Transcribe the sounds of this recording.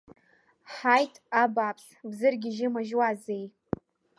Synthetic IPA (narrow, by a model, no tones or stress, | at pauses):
ħajtʼabapʰs | bzɨrɡʲɪʒɪmaʒwazej